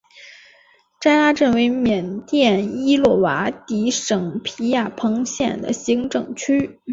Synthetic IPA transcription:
ʈ͡ʂa˥ɪla˥ʈ͡ʂə˥˩nwe˧˥ɪmjɛ˨˩nt̪jɛ˥˩ni˥lwɔ˥˩wa˧˥t̪i˧˥ʂɤ˨˩ŋpʰi˧˥ja˥˩pʰɤ˧˥ŋɕjɛ˥˩nd̪ə̰˨˩ɕi˧˥ŋʈ͡ʂɤ˨˩ŋt͡ɕʰy˥

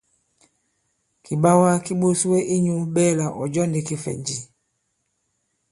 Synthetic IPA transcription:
ki˨ɓa˦wa˦ki˦ɓo˦su˦we˦ʔi˦ɲu˦ɓɛ˦˨la˨ʔɔ˨d͡ʒɔ˦ndi˨ki˦fɛ̰˨ɲd͡ʒi˨

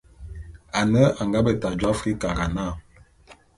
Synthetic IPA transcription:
a˨nə˦a˨ŋɡa˦bə˨ta˨d͡ʒwa˦fi˦ka˨ɡa˨na˦˨

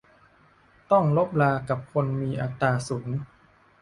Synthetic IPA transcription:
t̪ɔ˥˩ŋlo˦˥p̚laː˧ka˨˩p̚kʰo˧nmiː˧ʔa˨˧t̪ːaː˧suː˩˦ŋ

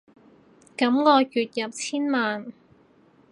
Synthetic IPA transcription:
kɐ˨˥mŋɔː˧kyː˨t̚jɐ˨p̚t͡sʰiː˥nmaː˨n

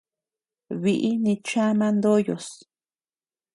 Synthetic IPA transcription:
βi˧ʔi˦nĩ˧t͡ʃã˦mã˧nd̪o˦jo˨s

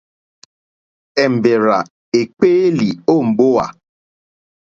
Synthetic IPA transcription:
e˨m̩˨be˨ɾa˨ | e˨k͡pe˦li˨o˦˨m̩˨ɡ͡bʊ˦wa̰˨

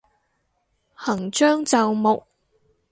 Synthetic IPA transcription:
hɐ˨˩ŋt͡ʃœː˥ŋt͡sɐ˨wmʊ˨k̚

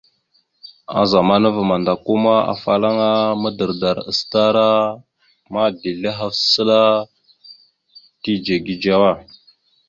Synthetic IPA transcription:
a̰˨za˨ma˦nə˦və˨ma˨nda˨ku˦ma˦a̰˨fa˨la˦ŋa˦mə˦də˨ɾda˨ɾə̰˨sta˦ɾa˦ | ma˦di˨lə˦ɦa˦fsə˦la˦ | ti˦d͡ʒe˨ɡi˦d͡ʒa˦wa˦˨

